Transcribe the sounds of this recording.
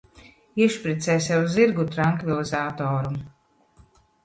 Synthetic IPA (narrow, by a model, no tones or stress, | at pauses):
iɛʃpɾit̪sɛːjsʲɛwuziɾɡut̪ɾaŋkvilˠizaːt̪ɔːɾum